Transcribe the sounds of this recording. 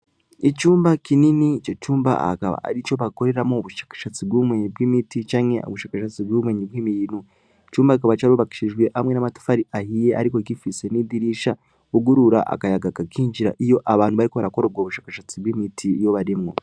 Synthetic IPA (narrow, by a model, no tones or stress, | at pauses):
icuːmbakininit͡ʃocuːmba̰a̰kaβa̰a̰ɾit͡ʃo̞βako̞ɾe̞ɾamoβuʃḁkḁʃat͡sibɡumweːɲibɡimitit͡ʃaːŋḛo̰βuʃaːkaʃat͡siβɡwuβumweːɲibwiːmiɾinu | it͡ʃuːmbakikaβat͡ʃaɾuβaki̥ʃiʒweʔamwe̞namatu̥faɾiahijeʔaɾikoɡifisenidiɾiːʃa | uɡuɾuɾa̰ʔa̰kajaɡakakiːɲd͡ʒiɾa̰ʔijo̞ʔaβaːnhuβaɾikoaɾako̞ɾobɡoːβuʃaːkaʃat͡sibwimitʰijo̞βaɾimŋo̞̰